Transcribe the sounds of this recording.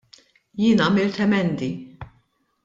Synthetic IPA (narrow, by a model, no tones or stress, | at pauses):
jɪːnɐːmɪlt̪ɛmɛnd̪i